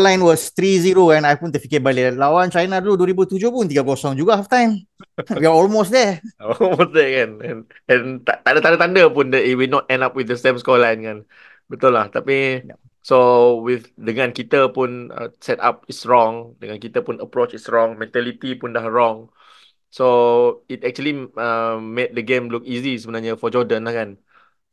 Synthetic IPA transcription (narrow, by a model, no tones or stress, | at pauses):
lãjnwɔst̪ɾiziɾokanajpunt̪əfikɪbalilawant͡ʃajnaduluduəɾibut̪ud͡ʒohpunt̪iɡaɡɔsɔŋd͡ʒuɡahaft̪ãjmwiaɔlmosdɛɔlmosdɛkanɛ̃n | ɛ̃nt̪at̪adət̪ãndət̪andəpundɛiwinɔt̪̚ɛ̃ndap̚wiθdəsɛ̃mskɔlajnkan | bət̪ulaht̪api | sowiθdəŋãnkit̪əpunə̰̃sɛta̰p̚itsɹɔ̃ŋdəŋãnkit̪əpunəpɾot͡ʃitsɹɔ̃ŋmɛ̃nt̪ɛlit̪ipundahɹɔ̃ŋ | soit̚ɛk̚t͡ʃuəliəmet̪̚dəɡẽmluk̚izisəbənaɲəfɔd͡ʒɔdə̃nlahkan